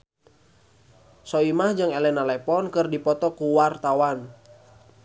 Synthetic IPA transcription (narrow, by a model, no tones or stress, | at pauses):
sɔimahd͡ʒɨŋɛlɛnalɛpɔnkɨrdipɔt̪ɔkuwart̪awan